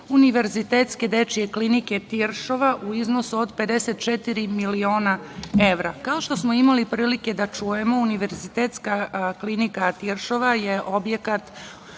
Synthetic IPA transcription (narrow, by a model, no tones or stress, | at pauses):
uniʋe̞ɾzit̪eːt̪ske̞d̪e̞t͡ʃije̞klinike̞t̪iɾʃo̞ʋaʔuiznosuod̪pe̞d̪e̞set̪̚t͡ʃet̪iɾimilio̞ːnae̞ʋɾakao̞ʃt̪o̞smoimalipɾiːlike̞d̪at͡ʃuje̞mo̞uniʋe̞ɾzit̪eːt̪skaklinikat̪iɾʃoʋaje̞ʔo̞bje̞kat̪